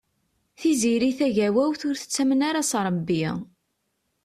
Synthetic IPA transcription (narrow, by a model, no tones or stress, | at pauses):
θiziɾiθæʝæwæwθʊɾθə̥t͡sːæmənaɾasɾˤəbːi